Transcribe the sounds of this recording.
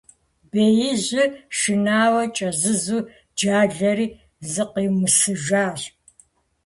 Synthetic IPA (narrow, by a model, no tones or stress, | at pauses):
beːjɪʑɪʃɪnaːwɐt͡ʃʼɐzɨzuː | d͡ʒaːɮɐɾiː | zɨqiːmɨsɨʒaːɕ